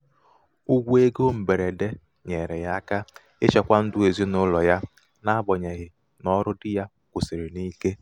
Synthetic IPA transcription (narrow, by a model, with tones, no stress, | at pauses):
u˦ɡʷu˦e˦ɡo˦m̩˨be˨ɾe˨de˦ | ɲe˨ɾe˨ɣa˦ka˦ | e˦t͡ʃe˨kʷa˦n̩˦dʊ˦e˨zi˦nʊ˦lɔ˨ja˦ | na˦ɡ͡bɔ˨ɲe˨ɣɪ˨ | nɔ˦ɾʊ˦dɪ˦ja˦ | kʷʊ˨se˨ɾe˨ni˦ke˦